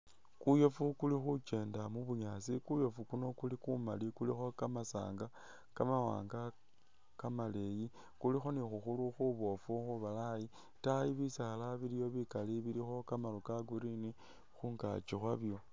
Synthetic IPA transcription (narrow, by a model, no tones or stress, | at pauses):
kujo̞fukulixut͡ʃe̞ːndamuβuɲaːsikujo̞fukuno̞kulikumalikulixo̞kamasa̰ːŋɡa | kamawa̰ːŋɡa | kamale̞ji | kulixo̞nixuxuluxuβo̞fuxuβalai | tajiβisaxalaβilijo̞βikaliβilixo̞kamalukaɡuɾini | xuːŋɡa̰t͡ʃixwaβjo̞